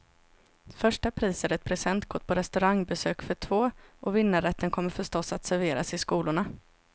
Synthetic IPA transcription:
fœʂʈapʰɾiːsəɾɛt̪̚pʰɾɛsɛnt̪ɡɔʈ̚pʰɔɾɛst̪ɵɾaŋbɛsøːkfœʈʰvoːʔɔvɪnːaɾɛt̪ʰːənkʰɔmːəɾfœʂʈɔsːat̪sæɾveːɾasɪskuːlʊɳa

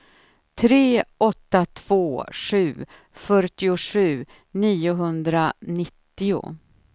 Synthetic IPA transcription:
t̪ʰɾeːʔɔt̪ːat̪ʰv̥oːʂʉ̟ː | fœʈɪʊʂʉ̟ː | niːʊɦɵnd̪ɾanɪt̪ːɪʊ̰

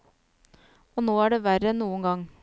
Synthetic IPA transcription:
oːnoːæːɖeːʋæɾənuːəŋɡɑŋ

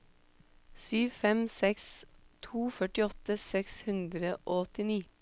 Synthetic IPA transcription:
syːʋfɛmsɛkst̪ʰuːfœʈɪɔt̪əsɛkshʉnd̪ɾəʔoːɔt̪ɪniː

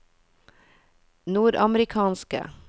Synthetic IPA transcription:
nuːɾɑməɾɪkʰɑːnskə̰

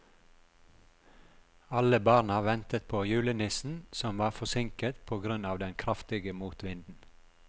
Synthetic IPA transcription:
ɑləbɑːɾnɑʋɛnt̪ət̪̚pʰoːjʉːlənɪsn̩sɔmʋɑːfɔsɪŋkət̪pʰoːɡɾʉnɑːʋd̪ɛnkʰɾɑft̪ɪɡəmuːt̪ʋɪnd̪n̩

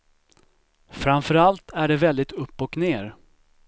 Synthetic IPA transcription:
fɾamfœɾalt̪ʰæɖɛvɛld̪ɪt̪ɵpːɔkneːɾ

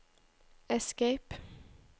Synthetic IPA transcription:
ɛskeɪp

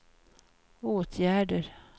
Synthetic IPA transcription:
oːt̪ʰjæːɖəɾ

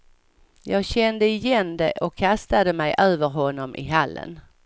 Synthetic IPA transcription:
jɑːɡɕɛnd̪əɪjɛnd̪ɛʔɔkʰːast̪ad̪əmɛjʔøːvəɾɦɔnːɔmʔɪ̰ɦalːə̰n

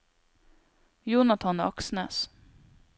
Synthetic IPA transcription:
juːnɑt̪ʰɑnʔɑksnɛ̰ːs

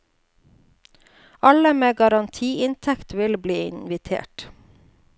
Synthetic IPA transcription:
ɑləmeːɡɑɾɑnt̪ʰiːʔɪnt̪ʰɛkt̪ʋɪlbliːɪ̰nʋɪt̪ʰḛːʈ

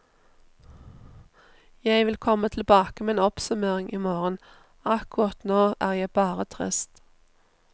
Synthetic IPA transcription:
jæɪʋɪlkʰɔmət̪ʰl̩bɑːkəmeːeːnɔpsʉmeːʁɪŋʔiːmoːʁən | ɑkʊʁɑt̪noːʔæːʁjæɪbɑːʁət̪ʰʁɪ̰st̪

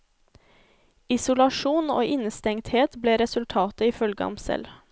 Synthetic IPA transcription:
ɪsʊlɑʃuːno̰ːʔɪnəst̪ɛŋt̪heːt̪bleːɾɛsʉlt̪ʰɑːt̪əiːfœlɡəɔ̰msɛ̰l

